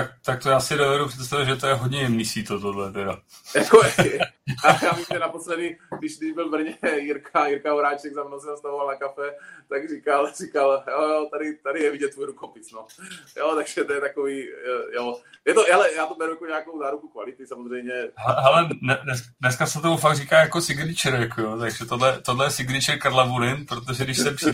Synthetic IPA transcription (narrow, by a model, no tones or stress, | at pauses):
t̪akt̪ak̚t̪ojaːsɪdovɛɾupr̥ɛt̪s̬t̪avɪd̪ʒɛt̪ojɛɦod̪ɲɛjɛmnisit̪ot̪odlɛt̪ɛdajako | ajaːmisɛnaposlɛdɪɡdɪʃd̪ɪbɪlvr̩ɲɛjɪɾkajɪɾkaɦoɾaːt͡ʃɛɡzamnowsɛnast̪avovalnakafɛt̪aɡrikalr̥ikaljojot̪adɪt̪adɪjɛviɟɛt̪ːujɾukopɪt͡snojot̪aɡʒ̥ɛt̪ojɛt̪akoviːjojɛt̪oalɛjaːt̪obɛɾujakoɲɛakowzaːɾukukvalɪt̪ɪsamozrɛjmɲɛɦɛɛɦɛlɛnɛnɛsknɛskasɛt̪omufaɡ̪̚riːkaːjakosɪɡnɪt͡ʃɛɾjakojot̪aɡʒɛt̪odlɛt̪odlɛjɛsɪɡnɪt͡ʃɛkaɾlabuɾɪnpɾot̪oʒɛdɪʃssɛpi